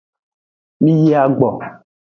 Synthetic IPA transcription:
mĩ˦ji˦a˨ɡ͡bɔ̰˨

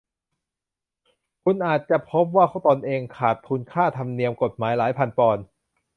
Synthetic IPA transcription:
kʰu˧nʔaː˨˩t̪̚t͡ɕa˨˩pʰo˦˥p̬̚waː˥˩kʰa˥˩wt̪ɔː˧nʔeː˧ŋkʰaː˨˩t̪̚ʰu˧nkʰaː˥˩t̪ʰa˧mni˧əmko˨˩t̪̚maː˩˦jlaː˩˦jpʰa˧npɔː˧n

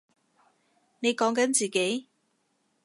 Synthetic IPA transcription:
ne˨˧jkɔː˨˥ŋkɐ˨˥nt͡siː˨˩ke˨˥j

